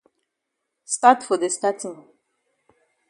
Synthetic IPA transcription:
statfɔdestatĩŋ

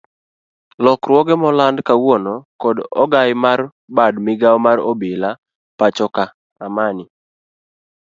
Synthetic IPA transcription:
lɔkɾwɔɡɛmɔlandkawɔnɔkɔdɔ̰ɡajmar | badmɪɡawmaɾobɪla | pat͡ʃɔka | amanɪ

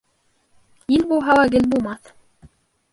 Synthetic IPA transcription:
ilʲbulˠɦɑwɑɡɘ̆lbulˠmɑθ

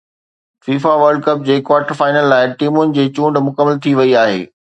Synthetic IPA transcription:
fiːfaʋəɾɖ̚kɐp̚d͡ʑeːkwaːʈəɾfaːɪnəlːaːɪʈiːmʊnɪ̆d͡ʑeːt͡ɕũːɳɖmʊkəmːəlt̪ʰiʋɐiaːɦḛː

